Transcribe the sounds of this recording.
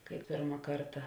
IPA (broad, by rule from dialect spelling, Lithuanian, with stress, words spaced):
kɐɪ ˈpʲɪrmɐ ˈkɐrtɐ